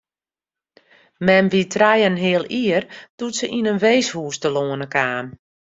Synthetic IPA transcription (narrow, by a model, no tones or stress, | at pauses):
mɛmʋitʰrajənɦɪəlˠiərd̥utsəʔinənʋeːshuːstəloənəkaːm